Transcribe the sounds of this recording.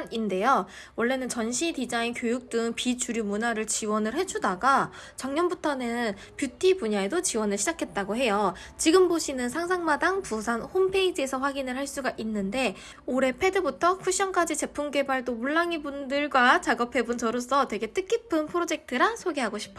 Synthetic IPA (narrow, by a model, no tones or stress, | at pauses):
ninde̞jo | wʌɭːe̞nɯnt͡ɕʌnɕʰitid͡ʑainkjojuk̚t͈ɯŋpit͡ɕuɾjumunaɾɯɭt͡ɕiwʌnɯɭhe̞d͡ʑudaɡa | t͡ɕaŋɲʌnbutʰʌnɯn | pjutʰibuɲaedot͡ɕiwʌnɯɭɕʰid͡ʑakʰe̞t̚t͈aɡoɦe̞jo | t͡ɕiɡɯmboɕʰinɯnsʰaŋsʰaŋmadaŋpusʰanhompʰe̞id͡ʑe̞sʰʌɸwaɡinɯɭɦhaɭs͈uɡaʔinːɯnde̞ | oɾe̞pʰe̞dɯbutʰʌkʰuɕ͈ʌnk͈ad͡ʑit͡ɕe̞pʰumɡe̞baɭdomuɭːaŋibundɯɭɡwat͡ɕaɡʌpʰe̞bunt͡ɕʌɾos͈ʰʌtwe̞ɡe̞t͈ɯk͈ipʰɯnpʰɯɾod͡ʑe̞k̚tʰɯɾasʰoɡeɦaɡoɕʰi̥p̚ʰ